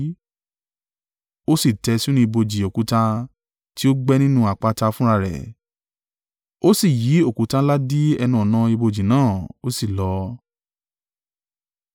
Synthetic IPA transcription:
o˦si˦˨tɛ˧si˦ñĩ˧i˧bo˧d͡ʒi˨o˨ku˨˦tã˧ | ti˦o˦ɡ͡bɛ˦nĩ˦nũ˦a˨k͡pa˧ta˧fũ˦ɾa˧ɾɛ̰˨ | o˦si˦˨ji˨˦o˦˨ku˨˦tã˧˦la˦di˦ɛ˧nũ˧˦ɔ˨nã˧i˧bo˧d͡ʒi˨nãː˦˨o˦si˦˨lɔ˨˦

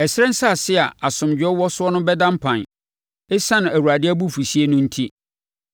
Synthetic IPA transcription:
ɛ˨sɪ˦ɛ̃˦n̩˦sa˦˨sɪ˦a˨a˨sʊ̃˨md͡ʑᶣɛ˦wɔ˦sʊ˦ɔ˦nʊ̃˦bɛ˦dã˦mpʰã˨n | ɪ˦sã˦nʊ̃˨æ˨wu˨ɾa˨dɪ˦æ˦bu˦˨fu˨si˦e˦nʊ̃˦n̩˦tʰi˦

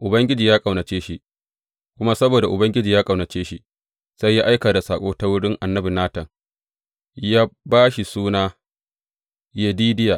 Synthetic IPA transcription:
ʔʊ˨bɐ˦ŋɡʲɪ˦d͡ʒiː˨jaː˦kʼɐ˨wnɐ˨t͡ʃeː˦ʃi˦ | kʷʊ˦ma˦sɐ˦boː˨da˨ʔʊ˨bɐ˦ŋɡʲɪ˦d͡ʒiː˨jaː˦kʼɐ˨wnɐ˨t͡ʃeː˦ʃi˦ | sa˦jːaː˦ʔa˦jkaː˨da˨saː˨kʷʼoː˦ta˦wʊ˦ɽɪ˦ŋʔa˨nːɐ˦bi˨naː˦tɐ˨ŋ | jaː˦baː˦ʃi˨suː˦naː˦ | je˦diː˦dɪ˦jaː˨

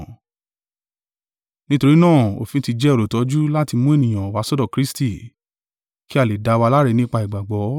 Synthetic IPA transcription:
nĩ˦to˧ɾi˦nãː˦˨o̰˨fĩ˨˦ti˧d͡ʒɛ˦o˨ɾo˨tɔ˨˧˦d͡ʒu˦la˦ti˧mũ˦e˦˨nĩ˨j̃ã˨wa˨˦sɔ˦dɔ˦˨kɾi˦sti˦˨ | ki˦a˦˨le˨da˨˦˧wa˧la˦ɾɛ˧nĩ˦k͡pa˧i˨ɡ͡ba˨ɡ͡bɔ˨˦

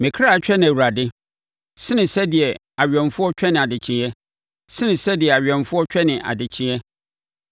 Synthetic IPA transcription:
mɪ̃˨kʰɾa˦˨˦t͡ɕᶣɛ˦nɪ̃˨æ˨wu˨ɾa˨dɪ˦ | sɪ˦nɪ̃˨sɛ˦dɪ˨ɛ˨ | a˨ɥᶣɛ̃˨nfʊ˦ɔ˦t͡ɕᶣɛ˦nɪ̃˨a˨dɪ˨t͡ɕʰɪ̃˨ɛ˦ | sɪ̃˦nɪ̃˨sɛ˦dɪ˨ɛ˨a˨ɥᶣɛ̃˨nfʊ˦ɔ˦t͡ɕᶣɛ˦nɪ̃˨ʔa̰˨dɪ˨t͡ɕʰɪ̃˦ɛ˦

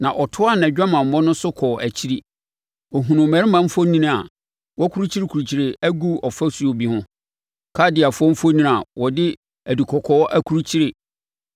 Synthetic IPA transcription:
nã˨ʔɔ˨tʰʊ˦a˦˨nã˨d͡ʑᶣa˦mã˨m̩˨mɔ̃˦nʊ̃˦sʊ˦kʰɔː˨ʔæ˨t͡ɕʰi˦ɾi˦ | ɔ˨ɦũ˨nũ˨mæ̃˨˦ɾɪ˦mã˦m˦fo˦nĩ˦ñ˦a˨ | wɔ˦kʰu˦ɾu˦t͡ɕʰi˦ɾɪ˦kʰu˨ɾu˨t͡ɕʰi˨ɾɪ˨ʔæ˦ɡu˦ɔ˨fa˦su˨o˨bi˦hʊ̃˦ | kʰa˦dɪ˨a˨fʊ˦ɔ̃˦m̩˦fo˦nĩ˦n˨a˨wɔ˨dɪ˦ | æ˨di˨kʰɔ˨kʰɔ˦ʔæ˦kʰu˦ɾu˦t͡ɕʰi˦ɾɪ˨

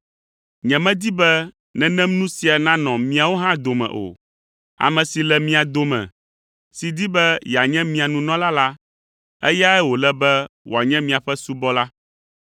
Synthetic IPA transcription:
ɲɛ̃˨mɛ̃˦d̪i˦bɛ˦ | nɛ̃˨nɛ̃˦mnũ˦si˨a˨nã˦nɔ̃˨mĩ˨a˨wo˦ɦã˦d̪o˨mɛ̰̃˨ʔo̰˨ | a̰˨mɛ̃˨si˨lɛ˨mĩ˦a˨d̪o˨mɛ̰̃˨ | si˨d̪i˦bɛ˦ja˨ɲɛ̃˦mĩ˨a˨nũ˨nɔ̃˦la˦la˦ | ɛ̰˦ja˦ɛ˦wo˨lɛ˦bɛ˦wo˨a˨ɲɛ̃˦mĩ˨a˨ɸɛ˦su˦bɔ˦la˦

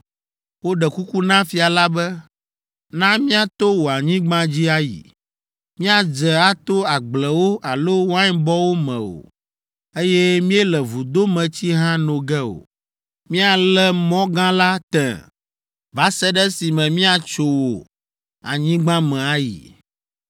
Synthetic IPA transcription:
wo˦ɖɛ˨ku˦ku˦nã˦fi˨a˨la˦bɛ˦ | nã˦mĩ˦a˦t̪o˦wo˨a˨ɲĩ˦ɡ͡bã˦d͡ʑi˦a˦jḭ˨ | mĩ˦a˨d͡ʒɛ˨a˦t̪o˦a˨ɡ͡blɛ˨wo˦ʔa˨lo˦wã˦ɲ˦bɔ˦wo˦mɛ̰̃˨o̰˨ | e˦jɛ˦mĩ˦ɛ˦lɛ˨vu˨d̪o˦mɛ̃˨t͡ɕi˦ɦã˦nõ˨ɡɛ˦o̰˨ | mĩ˦a˨lɛ˦mɔ̃˦ɡã˦la˦t̪ɛ̰̃˨ | va˨˦sɛ˦ɖɛ˦si˨mɛ̃˨mĩ˦a˨t͡ʃo˨wo˨ | a̰˨ɲĩ˦ɡ͡bã˦mɛ̃˨a˨˦jḭ˨

